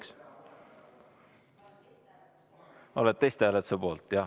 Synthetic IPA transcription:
k | o̞let̪̚ːejst̪eælet̪sɑpo̞ːlt̪jɑ

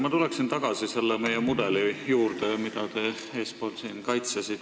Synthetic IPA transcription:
mɑt̪uleksint̪ɑɡ̥ɑsise̞lːeme̞jemud̪e̞lijuːrd̪̥emid̪̥ɑt̪e̞ | eːspo̞ːlsiːnkɑjt̪sesit̪

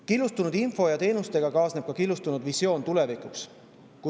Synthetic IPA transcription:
kilːust̪unud̪info̞jɑt̪e̞ːnust̪e̞ɡ̥ɑkɑːsneb̥̚kɑkilːust̪unud̪visjo̞ːnt̪ule̞vikˑuks | ku

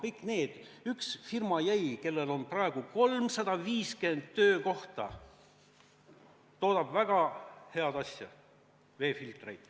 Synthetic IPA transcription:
kɤjkˑne̞ːd̪̥ | yksfirmɑjæjke̞lːe̞lo̞nprɑe̞ɡ̥uko̞lmsɑd̪̥ɑviːskend̪t̪ːøːko̞ht̪ɑ̰ | t̪o̞ːd̪ɑb̥væɡ̥ɑhe̞ɑd̪̥ɑsʲjɑ̰ | ve̞ːfilt̪ˑrejd̪̥

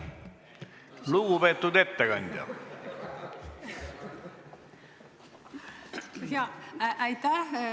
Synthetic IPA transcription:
luɡupet̪ːud̪e̞t̪ːekɑnʲd̪̥ʲjɑ̰ | jɑʔæjt̪æh

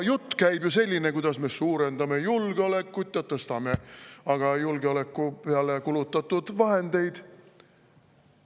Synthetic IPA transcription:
jut̪ˑːkæjbjuse̞lʲːine̞kujd̪̥ɑsme̞suːɾe̞nd̪ɑme̞julɡ̥eole̞kːˑut̪ʲːˑjɑt̪ɤst̪ɑme̞ɑɡ̥ɑjulɡ̥eole̞kˑːupeɑlekulut̪ːˑɑt̪ːˑud̪̥vɑɦe̞nd̪̥e̞jd̪̥

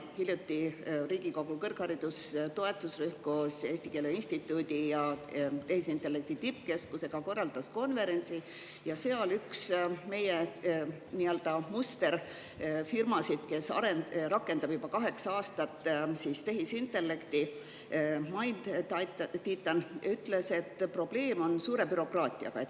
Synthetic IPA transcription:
hiljut̪ːiriːɡ̥iko̞ɡ̥ukɤrkhɑɾid̪̥ust̪o̞e̞t̪ːˑusryhkose̞ːst̪ike̞leinʲsʲt̪it̪ːˑuːd̪̥ʲijɑt̪e̞hisint̪ːˑe̞lːe̞k̚t̪it̪ipːke̞skuse̞ɡ̥ɑko̞rːɑld̪̥ɑsko̞nve̞ɾe̞nʲt̪si | jɑseolyksme̞je | niøld̪̥ɑmust̪e̞ɾ | firmɑsid̪̥ke̞sɑ̰ɾenrɑkːˑe̞nd̪ɑb̥jub̥ɑkɑɦe̞ksɑɑːst̪ɑt̪ːˑsist̪e̞ɦisint̪ːe̞lːe̞kt̪i | mɑjnd̪̥ | t̪iːt̪ːˑɑnyt̪le̞se̞t̪ːpro̞b̥le̞ːmo̞nsuːɾe̞byɾo̞krɑːt̪ʲˑiɑ̰ɡ̥ɑe

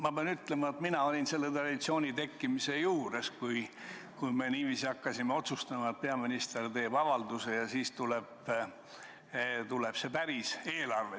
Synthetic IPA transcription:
mɑb̥eɑnyt̪le̞mɑet̪minɑo̞lʲinse̞lːet̪rɑd̪̥it̪sio̞ːnʲit̪e̞kːimise̞juːɾe̞skuj | kujme̞niːviːsiɑkːɑsimeo̞t̪sust̪ɑmɑet̪̚pe̞ɑminist̪e̞rt̪e̞ːb̥ɑvɑld̪use̞jɑsiːst̪ule̞b̥ | t̪ule̞b̥se̞pæɾise̞ːlɑrve

